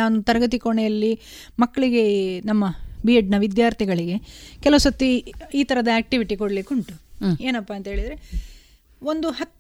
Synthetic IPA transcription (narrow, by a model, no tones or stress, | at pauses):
aːnut̪ɐɾɐɡɐt̪̬ikoɳɛjɐlːi | mɐkːɐɭiɡe̞nɐmːɐbiɐɖnɐʋid̪jaːɾt̪ʰiɡɐɭiɡe̞kɛlɐʋusɐt̪ːiiːt̪ʰɐɾɐd̪ɐeːk̚ʈiʋiʈikoɽɐlikuɳʈueːnɐpːaːnt̪ɐɦeːɭid̪ɐɾe | o̞nd̪uɦɐt̪ː